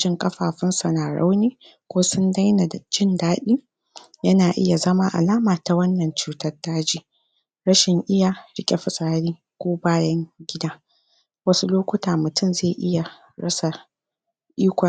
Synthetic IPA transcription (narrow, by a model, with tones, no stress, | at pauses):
d͡ʒɪ˦ŋkʼɐ˦ɸaː˨ɸɪ˦nsɐ˨naː˨ɾa̰˦wneː˦ | kʷoː˦sʊ˦nda˦jna˨dd͡ʒɪ˦ndaː˦ɗiː˦ | jɐ˦naː˨ʔɪ˦ja˨zɐ˦ma˦ʔa̰˨laː˦maː˨ta˨wɐ˦nːɐ˨nt͡ʃuː˦tɐ˦rdaː˦d͡ʒiː˦ | ɽɐ˦ʃɪ˨ŋʔɪ˦jaː˨ɽɪ˦kʲʼe˦ɸɪ˨sʼaː˦ɾiː˦ | kʷoː˦baː˦jɐ˦ŋɡʲɪ˦daː˦ | wɐ˦su˦loː˦kʷʊ˦taː˨mʊ˨tʰʊ˦mzeː˦˨ʔɪ˦ja˨ | ɽɐ̰˦sa˨ | ʔiː˦kʷɐ˨